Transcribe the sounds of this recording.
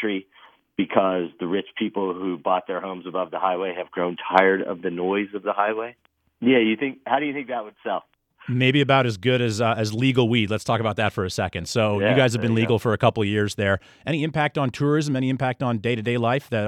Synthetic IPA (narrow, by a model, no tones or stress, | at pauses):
ɹi | b̥ɨkʰʌzðɨɹɪt͡ʃpʰipl̩ˠhubɔt̪̚ðə˞hõʊ̃mzəbʌvðəhaɪweɪɨvɡɹõʊ̃ntʰaɪə˞ɾʌ̰vðɨnɔɪzʌvðəhaɪweɪ | jæjɨθɪ̃ŋk̚haʊɾɨjɨθɪ̃ŋk̚ðɨt̚wɨd̥sɛlˠf | meɪbiɨbaʊɾɨzɡʊɾɨzɨzliɡl̩ˠwidˡlətstʰɔkəbaʊt̪̚ðɨtfə˞ɨsɛkɨ̃nd̥soʊjɨɡaɪzɨvbɨ̃nliɡl̩ˠfə˞ɨkʰʌpl̩ˠjɪɹzðə˞ | ʔɛɾ̃iɨ̃mpʰæk̚tn̩tʰʊɹɪzɨ̃mɛɾ̃iɨ̃mpʰæk̚tn̩deɪɾɨdeɪlaɪfðɨ